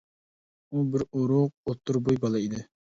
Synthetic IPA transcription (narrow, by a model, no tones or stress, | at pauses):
ubɪɾoɾʊq̚ot̪ʰːuɾbojbɑlˠɑid̪ɪ